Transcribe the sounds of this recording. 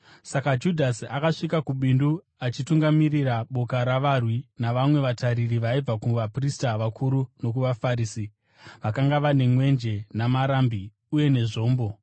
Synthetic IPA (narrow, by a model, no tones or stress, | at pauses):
sakad͡ʒudʱasiakaʂikakuɓindu | at͡ʃituŋɡamiriraɓo̞kaɾaʋarwinaʋamwe̞ʋataɾiriʋaib͡vakuʋapristaʋakʰuɾuno̞k̬uʋafaɾiːsi | ʋakaŋɡaʋane̞mwe̞nd͡ʒe̞namaɾambi | uje̞ne̞ʐo̞ːmbo̞